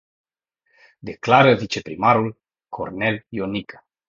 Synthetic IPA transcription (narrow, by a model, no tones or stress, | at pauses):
d̪eklaɾəvit͡ʃe̞pɾimaɾul | kʰo̰rneljonikʰḁ